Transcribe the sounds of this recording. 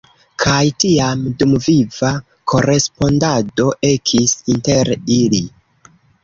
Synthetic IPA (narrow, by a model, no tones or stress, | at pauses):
kʰajtiamdumviva | ko̞ɾe̞spo̞ndado̞ʔe̞kʰisinte̞ɾili